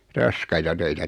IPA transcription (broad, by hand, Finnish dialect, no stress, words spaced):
rɑskɑitɑ tøitæ